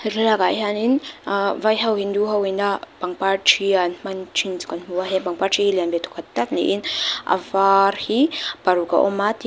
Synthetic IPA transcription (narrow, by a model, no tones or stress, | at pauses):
ɾelaɡaiɦaninivajɦawɦind̪uɦawenab̥aŋpaʈ͡ʂianimanʈ͡ʂind͡zu̥kanimuaɦebaŋpaʈ͡ʂiɦileambet̪u̥kat̪at̪inḭʔina̰vaɾhib̥aɾuka̰ʔo̰mat̪i